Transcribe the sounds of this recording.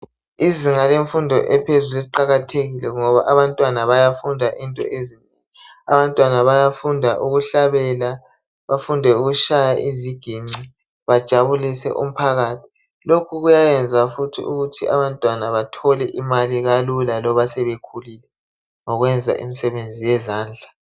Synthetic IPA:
iziŋaleɱfundʱɔʔɛpʰezulɛǃaɣatʰeɣilɛŋɔβaʔaβantʼwanaβajafundʱaʔintʼɔ̰ʔezineŋi | a̰βantʼwanaβajafundʱaʔuɣuɬaβɛla | βafundʱɛuɣuʃajaʔiziɡ̥ʱiŋ͡ǀi | βad̥ʒ̥ʱaβulisɛ̰ʔṵm̩pʰaɣaːtʰi̥ | lokʰuɣujajɛnd͡zʱafutʰḭʔuɣutʰiʔa̰βantʼwanaβatʰɔlɛʔimaliɣalulalɔβasɛβekʰulilɛ | ŋɔɣwɛnd͡zʱa̰ʔḭmisɛβend͡zʱijɛzaːnd͡ɮʱa

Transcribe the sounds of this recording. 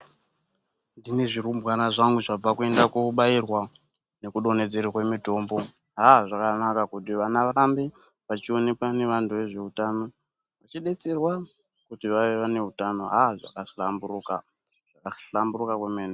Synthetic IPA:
ndine̞ʐirumbwanaʐaŋɡuʐab͡vakue̞ndakuɓairwa | ne̞kuɗo̞ne̞d͡zeɾikwe̞mito̞mbo̞ | ɦaʐakanakakutiʋanaʋaɾambe | ʋat͡ʃio̞ne̞kane̞ʋantʰuʋe̞ʐe̞utano̞ | ʋat͡ʃiɗe̞t͡serwa | kutiʋaiʋane̞ɦutano̞ɦaʐa̰kaɬambuɾuka | ʐ̥akaɬamburukakwemeːne

